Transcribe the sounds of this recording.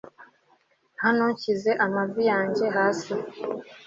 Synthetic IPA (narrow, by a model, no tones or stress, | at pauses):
hanoɲcize̞ʔamavijaːɲɟe̞ɦaːsi